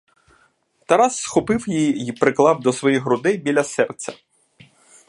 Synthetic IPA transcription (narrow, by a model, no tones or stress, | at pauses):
t̪ɐɾɑsːxɔpɪwjijipɾɪklˠɑwd̪ɔsʋɔjiɦɾʊd̪ɪbʲilʲɐsɛrt̪t͡sʲɐ